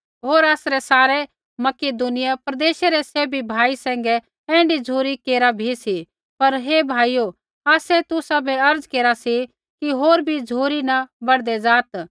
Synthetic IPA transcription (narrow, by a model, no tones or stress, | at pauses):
ɦoːɾaːsɾɛsaːɾɛ | mɐkeːd̪unɪjapɐɾɐd̪eːʃeɾɛseːbʱibʱaːisɛ̃ːŋ̆ɡɛ | ɛ̃ːɳɖid͡zʱuːɾikeːɾabʱisi | pɐɾɦeːbʱaːijo | aːsɛt̪ʊsabʱɛɐɾd͡zkeːɾasi | kiɦoːɾbʱid͡zʱuːɾinɐbɐɽd̪ɛd͡zaːt̪